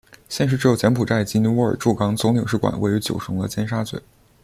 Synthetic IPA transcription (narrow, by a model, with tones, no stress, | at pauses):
ɕjɛ˥˧nʂɻ̩˥˩ʈ͡ʂɻ̩˧˥jo˨˩jɛ˧˥npʰu˨˩ʈ͡ʂa˥˩ɪt͡ɕi˥ni˧˥wu˧˥ə̰˞˨˩ʈ͡ʂu˥˩kɑ˥ŋt͡sʊ˧˥ŋli˨˩ŋʂɻ̩˥˩kwa̰˨˩nwʔe˥˧ɪy˧˥t͡ɕjo̰˨˩ʊʂʊ˧˥ŋd̪ə̰˧t͡ɕjɛ˥nʂa˥t͡swḛ˨˩˦